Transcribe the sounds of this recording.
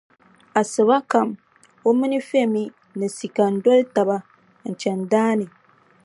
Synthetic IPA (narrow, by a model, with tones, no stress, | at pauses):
a˨sɨ˨βa˦ka˨m | o˦mi˦ni˦fe˦˨mi˦ | nɨ˨si˨ka˨n˨dɔ˦lta˨ba˦ | n̩˨t͡ʃɛ˨ndaː˦nɪ˨